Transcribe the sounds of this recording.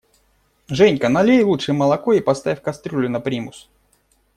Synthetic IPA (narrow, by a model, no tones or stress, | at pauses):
ʐɛnʲkənɐlʲejlˠutʂɨməlˠɐkoipɐst̪avʲɪfʲkɐst̪ɾʲulʲʊnɐpɾʲimʊs